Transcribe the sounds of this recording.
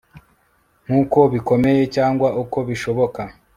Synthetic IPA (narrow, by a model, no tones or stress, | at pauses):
ŋ̥uːko̞βiko̞me̞je̞caːŋɡwaʔuko̞βiʃo̞βo̞ka